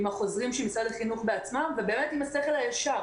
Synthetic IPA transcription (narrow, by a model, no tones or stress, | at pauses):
imaχo̞zʁimʃemisadaχinuχbeat͡smamvebe̞ːme̞timaseχe̞lhajaʃa